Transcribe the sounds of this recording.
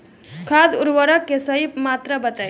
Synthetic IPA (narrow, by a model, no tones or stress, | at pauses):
kʰad̪uɾʋəɾəkːesəɦipmat̪ɾəbət̪əj